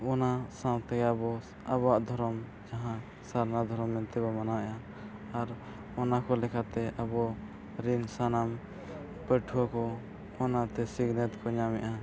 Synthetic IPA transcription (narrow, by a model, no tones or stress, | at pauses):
ɔnasãwt̪ɛɡabɔ | abaʔd̪ʱɔɾɔm | d͡ʒaɦã | saɾnad̪ʱɔɾɔmnɛnt̪ɛbɔmanawɛʔaː | ɾ | ɔnakɔlɛkʰat̪ɛʔabɔ | ɾinsanam | pəʈʰuwakɔ | ɔnat̪ɛsiɡnɛt̪kʰɔɲamɛ̰ʔa